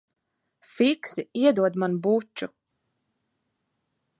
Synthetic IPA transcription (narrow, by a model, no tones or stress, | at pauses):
fiksiiɛd̪uɔd̪manbut͡ʃːu